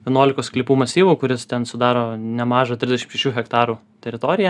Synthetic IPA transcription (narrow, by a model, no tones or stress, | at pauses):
ʋʲiɛnuɔlʲɪkoːsklʲɪːpuːmɐsʲiːʋuːkʊɾʲɪst̪ʲɛnsʊd̪ɑːɾoːnʲɛmɑːʒɐt̪ʲɾʲɪzʲd̪ʲɛʃɪmʃʲɛʃʲuːxʲɛkt̪ɑːɾuː | t̪ʲɛɾʲɪt̪oːɾʲɪjɛ